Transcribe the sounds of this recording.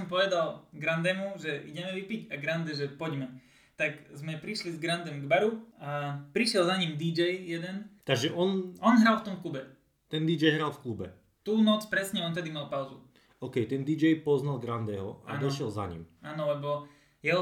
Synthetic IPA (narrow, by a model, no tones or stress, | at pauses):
ɔmpɔʋɛd̪alɡɾand̪ɛmuʒɛʔḭɟɛmɛʋipiɟaɡɾand̪ɛʒɛpɔɟmɛ | t̪akzmɛpɾiʃlizɡɾand̪ɛmɡbaɾuapɾiʃɪɛlzaɲimd̪id͡ʒɛjjɛd̪ɛnt̪aɡʒɛʔɔnɔnɦɾalft̪ɔmklubɛ | t̪ɛnd̪id͡ʒɛjɦɾalfklubɛ̰ | t̪uːnɔt͡spɾɛsɲɛɔnt̪ɛd̪imalˠpaʊzṵ | ɔʊkɛjt̪ɛnd̪id͡ʒɛjpɔznalɡɾand̪ɛɦɔa̰nd̪ɔʃɛlza̰ɲḭmaːnɔlɛbɔ | jɛɦɔ